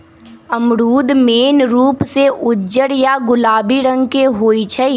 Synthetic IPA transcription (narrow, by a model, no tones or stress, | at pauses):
əmɾuːd̪meːnɾuːpseʔʊdd͡ʒəɾjaɡʊlaːbiɾə̃ŋɡkeɦoːit͡ʃʰɛi